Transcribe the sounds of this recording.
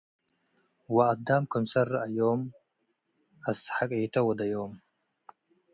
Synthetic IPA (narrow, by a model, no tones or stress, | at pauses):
waːd̪amkʰʊmsarajoːm | asħakʼejt̪ʰɐwɐd̪ajom